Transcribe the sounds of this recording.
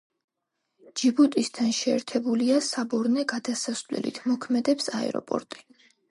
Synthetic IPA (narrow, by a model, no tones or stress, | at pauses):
d͡ʒibut̪ʼist̪ʰanʃɛːɾt̪ʰɛbuliasabɔɾnɛɡad̪asasvlɛ̰lḭt̪ʰmɔkʰmɛd̪ɛpsaɛ̰ɾɔ̰pʼɔ̰ɾt̪ʼi̥